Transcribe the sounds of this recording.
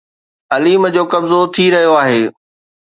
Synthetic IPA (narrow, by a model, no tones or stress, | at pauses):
ɐliːmd͡ʑoːkɐbzot̪ʰiɾɐɦijoaːɦeː